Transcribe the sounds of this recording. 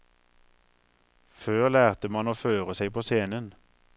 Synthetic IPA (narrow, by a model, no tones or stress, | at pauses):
føːʁlæːʁt̪əmɑnoːføːʁəsæɪpʰoːseːnən